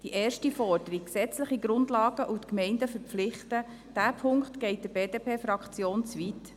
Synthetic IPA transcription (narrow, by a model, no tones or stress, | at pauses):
d̥iʔeːrʃtifɔrd̥əɾikːsɛt͡sləχiɡɾʊndlɑːɡ̥əʔutkmɛɪndəfəɾpp͡flɪχtə | d̥æːpʰʊŋkt̪ɡ̥ɛɪtd̥ɪb̥eːd̥eːpʰeːfɾɑkt͡sjoːnt͡svit